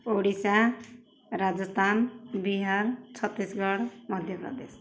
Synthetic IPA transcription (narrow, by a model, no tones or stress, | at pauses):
oɽisã | ɾad͡ʒʌst̪ʰanbiɦaɾt͡sʰʌt̪ːisɡʌɽmʌd̪ʱjəpɾʌ̰d̪es